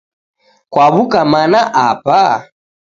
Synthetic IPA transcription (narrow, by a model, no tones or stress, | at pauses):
kwaβukamanaʔapa